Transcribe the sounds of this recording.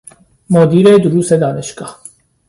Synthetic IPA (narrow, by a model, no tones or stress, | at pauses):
mod̪iɾɛd̪uɾusɛd̪aːnɛʃkʰʼa